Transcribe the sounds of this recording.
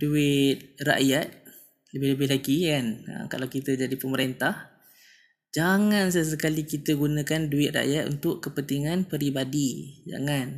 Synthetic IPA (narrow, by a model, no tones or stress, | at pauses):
duɪt̪̚ra̰ʔjat̪̚ | ləbɪhləbɪɦlaɡikanə̰ka̰lawkit̪əd͡ʒadipəməɾent̪ah | d͡ʒaŋans̬əs̬əkalikit̪əɡunakanduɪt̪̚ra̰ʔjat̪ṵnt̪ʊʔkəpənt̪iŋanpəɾibadid͡ʒa̰ŋan